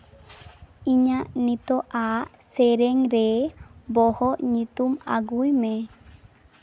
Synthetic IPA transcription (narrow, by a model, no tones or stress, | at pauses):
iɲaʔnit̪ɔʔasɛɾɛŋɾɛbɔhɔʔɲit̪uma̰ɡujme